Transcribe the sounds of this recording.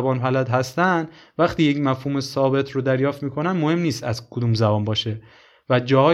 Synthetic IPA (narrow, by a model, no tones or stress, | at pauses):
bɒːnpælæd̪ɦæst̪ænd̪ | væχt̪iːjecmæfhuːmesɒːbe̞t̪ʰɾod̪æɾjɒːft̪miːkʰo̞nænmohe̞mniːst̪æzkʰod̪uːmzæbɒːnbɒːʃe | væd͡ʒɒːhɒː